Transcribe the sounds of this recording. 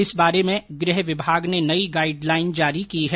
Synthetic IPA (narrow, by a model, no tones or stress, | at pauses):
ɪsbaːɾemẽɡɾɪɦʋɪbʱaːɡnenɐiɡaːɪɖlaːɪnd͡ʒaːɾikiɦɛ